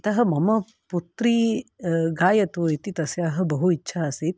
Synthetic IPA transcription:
t̪ɐɦɐ̆mɐmɐ | put̪ɾi | ɡaːjɐt̪uit̪it̪ɐsjaːɦɐ̆bɐɦuitːʃʰaːɐsit̪

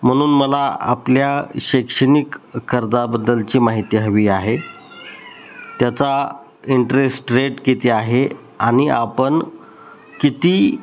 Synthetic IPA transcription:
m̤əɽ̃uːnməlaa̰pljaɕekʂənikːəɾd̪abəd̪ːəlt͡ɕiːmaɦit̪iːɦəʋiːaɦe | t̪jat͡sa | iɳʈɾesʈɾeʈkit̪iaɦe | aɽ̃iapəɳ | kit̪iː

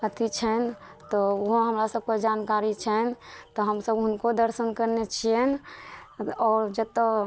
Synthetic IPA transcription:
ət̪it͡ʃʰɛn | t̪ɔoɦõɦəmɾasəb̚ked͡ʒankaɾit͡ʃʰɛnt̪ɔɦəmsəbɦʊnkod̪əɾsənkəɾnet͡ʃʰiɛn | ɔːɾd͡ʒət̪ːə

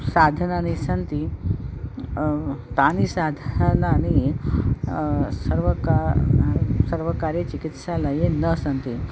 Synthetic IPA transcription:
sad̪ʱənanisənt̪i | t̪anisad̪ʱnani | səɾʋəka | səɾʋəkaɾjet͡ɕikit̪ɕalajenəsənt̪i

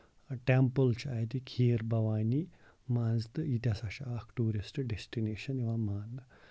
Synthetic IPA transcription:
ʈempəlt͡ʃajt̪ikʰiːɾbɐʋaːni | mãːnd͡zt̪ɨit̪ʲasaɕaakʈuːɾisʈɖesʈineːɕɐniʋamaːn

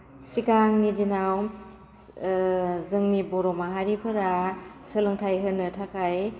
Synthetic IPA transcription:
sikaŋnidinaw | zɯŋnibɔɾɔmaɦaɾipʰɯɾasɯlɯŋtʰajɦɯnːɯtʰakʰaj

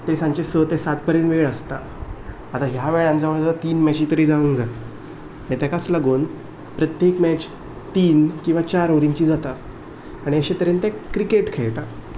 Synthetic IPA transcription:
t̪esãɲt͡ɕesət̪esat̪̚pəɾenʋeɭəst̪aː | t̪aɦjaʋeɭjãnd͡zaʋəɭd͡zaat̪iːnmɛt͡ɕit̪əɾiːd͡zauːnd͡zat̪ | nĩt̪ɛkat͡slaɡuːn | pɾət̪jekmɛt͡ɕ | t̪iːnkĩw̃ʋat͡ɕaɾoɾiɲt͡ɕiːd͡zat̪aː | ɽ̃iəɕẽt̪əɾent̪ɛ̃kɾikeʈkʰɛɭʈa

